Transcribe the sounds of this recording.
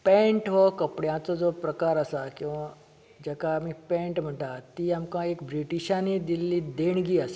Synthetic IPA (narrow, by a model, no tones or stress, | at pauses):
pɛ̃ɳʈɦokəpɽjãt͡sod͡zopɾəkaɾəsakĩʋã | d͡ʑɛkamiːpɛ̃ɳʈm̤əɳʈ̪at̪iːamkãekbɾiʈiɕãnid̪ilːiːd̪eɳɡiːəs